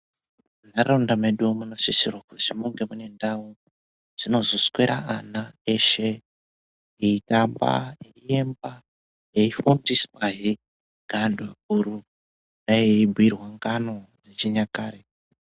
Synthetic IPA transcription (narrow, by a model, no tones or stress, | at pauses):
unarondameɗumuno̞sisirwakutimuŋɡe̞mune̞ndau | ʐ̥ino̞zo̞skweɾaʔanaeʃe | eitamba̰eiemba | eifundiswaɦi | ɡʱandwakuɾu | ndajeibʱwirwaŋɡano̞d͡zet͡ʃiɲakaːɾe